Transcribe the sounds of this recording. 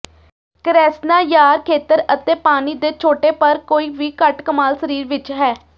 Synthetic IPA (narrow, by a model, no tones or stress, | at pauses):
kəɾɛːsnaːjaːɾkʰeːt̪əɾət̪eːpaːniːd̪eːt͡ʃʰoːʈeːpəɾkoːiːʋiːkəʈkəmaːlsəɾiːɾʋɪt͡ʃɦɛː